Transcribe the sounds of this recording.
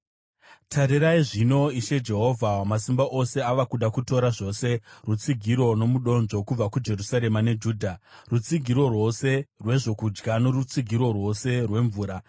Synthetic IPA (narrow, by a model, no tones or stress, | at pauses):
tʰaɾiɾaiʐino̞iʃe̞d͡ʒe̞ɦo̞vʱawamasimbaʔose̞aʋakuɗakuto̞ɾaʐo̞ːse̞rut͡siɡʱiɾo̞no̞muɗo̞nʐo̞kub͡vakud͡ʒe̞rusaɾe̞mane̞d͡ʒuːdʱarut͡siɡʱiɾo̞rwo̞se̞rwe̞ʐo̞kud͡ʒɡanorut͡siɡʱiɾo̞rwo̞se̞rwe̞ɱvuːɾa